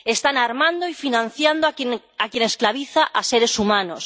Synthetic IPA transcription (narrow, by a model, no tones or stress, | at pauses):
est̪anaɾmãnd̪oifinãn̟θjand̪on | akjenesklaβ̞iθaʔaseɾe̞sumãnos